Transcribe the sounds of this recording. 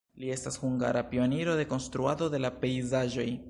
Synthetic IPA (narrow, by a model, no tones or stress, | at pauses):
lie̞stashuŋɡa̰ɾapio̞neɾo̞de̞ko̞nst̪ɾuad̪o̞d̪e̞lape̞jzaʒo̞j